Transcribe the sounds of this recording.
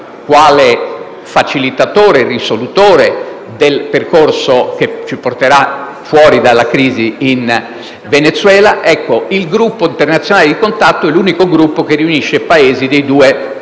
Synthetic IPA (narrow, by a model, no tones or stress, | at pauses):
kwaːle | fat͡ʃilit̪at̪oːɾerisolut̪oːɾe | d̪elperkorsok̟et͡ʃiport̪eɾa | fwɔːɾid̪alːakɾiːziːn | venet̪sːwɛːlaʔɛkːoilɡɾupːoint̪ernat̪sːjonaːled̪ikont̪at̪ːoɛluːnikoɡɾupːokeriuniʃːepaeːzid̪ejd̪uːe